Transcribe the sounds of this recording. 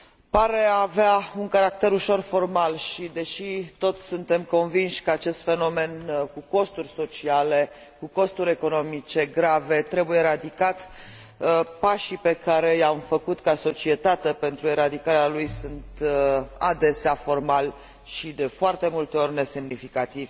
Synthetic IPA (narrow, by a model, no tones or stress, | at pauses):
paɾe̞aveauŋkaɾakt̪e̞ɾuʃo̞rfo̞rmalʃid̪e̞ʃit̪o̞t̪sʲsunt̪e̞mko̞nvinʃʲkəat͡ʃe̞st̪fe̞no̞me̞nkuko̞st̪urʲso̞t͡ʃiale̞ | kuko̞st̪uɾʲe̞ko̞no̞mit͡ʃe̞ɡɾave̞t̪ɾe̞bujeɾad̪ikat̪ | əpaʃipe̞kaɾe̞jamfəkut̪kaso̞t͡ʃie̞t̪at̪epe̞nt̪ɾueɾad̪ikaɾealujsunt̪a̰d̪e̞seafo̞rmal | ʃid̪e̞foart̪e̞mult̪e̞o̞rʲne̞se̞mnifikat̪iv̥ʲ